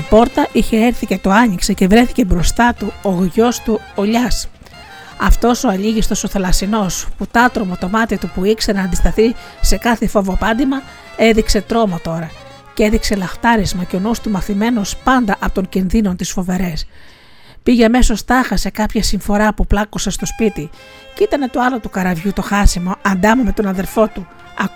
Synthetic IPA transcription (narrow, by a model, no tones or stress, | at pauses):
ɐpo̞ɾt̪ɐʔiçe̞eɾθice̞t̪o̞ɐɲikse̞ce̞vɾe̞θice̞bɾo̞st̪ɐt̪uoɣʝo̞st̪u | oʎɐs | ɐft̪o̞so̞ɐʎiʝist̪o̞so̞θelɐsino̞sput̪ɐt̪ɾo̞mot̪o̞mɐt̪iɐt̪upuikse̞nɐːnd̪ist̪ɐθi | se̞kɐθefo̞vo̞pɐnd̪imɐ | e̞ðikse̞t̪ɾo̞mo̞t̪o̞ɾɐ | cee̞ðikse̞lɐft̪ɐɾizmɐce̞o̞nust̪umɐθime̞no̞spɐnd̪ɐʔɐpot̪o̞ɲcinðino̞nt̪isfo̞ve̞ɾe̞s | piʝeɐme̞so̞st̪ɐxɐse̞kɐpçɐsiɱfo̞ɾɐpuplɐkosest̪o̞spit̪i | cit̪ɐne̞t̪o̞ɐlo̞t̪ukɐɾɐvʝut̪o̞xɐsimo̞ɐnd̪ɐmume̞t̪o̞nɐðe̞ɾfo̞t̪u | ɐ